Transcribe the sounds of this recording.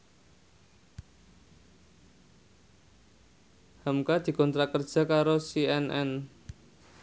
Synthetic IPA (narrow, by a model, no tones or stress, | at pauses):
hamkad̪̥i̤kɔnt̪ɾakərd̥ʒ̥a̤kaɾosiɛnʔɛ̰n